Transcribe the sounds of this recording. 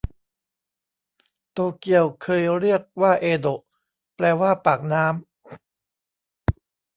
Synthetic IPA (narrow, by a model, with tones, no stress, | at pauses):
t̪oː˧ki˧˩əwkʰɤː˧jɾi˥˩ək̚waː˥˩ʔeː˧d̪o˨˩ʔ | plɛː˧waː˥˩paː˨˩k̚naː˦˥m